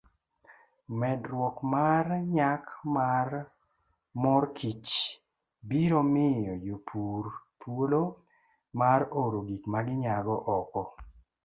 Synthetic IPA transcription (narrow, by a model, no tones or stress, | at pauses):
mɛdɾwɔkmaɾɲakmar | mɔɾkʰit͡ʃ | biɾomɪjɔjopʰuɾpwolo | maɾoɾoɡikmaɡɪɲaɡɔʔɔkɔ